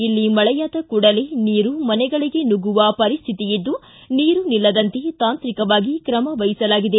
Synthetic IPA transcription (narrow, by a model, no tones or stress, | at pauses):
ilːimɐɭɛjaːd̪ɐkuːɽɐle̞niːɾumɐnɛɡɐɭiɡe̞nuɡuʋɐpɐɾist̪ʰit̪ijid̪ːu | niːɾunilːɐd̪ɐnt̪e̞t̪aːnt̪ɾikɐʋaːɡikɾɐmɐʋɐjisɐlaːɡid̪e